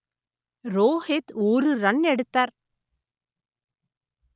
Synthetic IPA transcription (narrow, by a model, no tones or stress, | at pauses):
ɾoːheːt̪oːrɯɾɐnɛɽɯt̪ːaːɾ